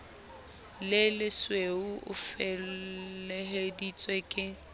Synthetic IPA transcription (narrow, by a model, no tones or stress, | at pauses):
lɪlɪsweuʔʊ̰fɛlɛɦedit͡sʼwɛkʼɪ